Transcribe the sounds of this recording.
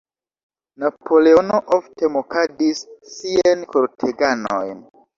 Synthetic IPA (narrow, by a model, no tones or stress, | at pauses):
napʰo̞le̞ono̞ʔofte̞mokadisːiankoɾtʰeɡano̰jn